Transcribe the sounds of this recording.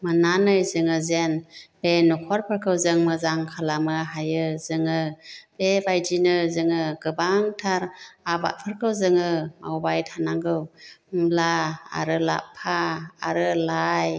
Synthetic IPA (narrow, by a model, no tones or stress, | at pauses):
mananɯjzɯŋɯzenb̥enukʰɔɾpʰɯɾkʰɯwzɯŋmɯzaŋkʰalamɯɦajɯzɯŋɯb̥ebajd͡ʒinɯzɯŋɯɡɯbaŋtʰaɾaba̰t̚pʰɯɾkʰɯwzɯŋɯma̰wbajtʰanaŋɡɯwŋlaa̰ɾɯla̰pʰaa̰ɾɯlaj